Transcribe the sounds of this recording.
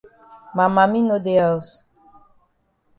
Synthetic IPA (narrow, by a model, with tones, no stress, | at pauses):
ma˨ma˨mi˦no˦d̪e˦a˨u˦s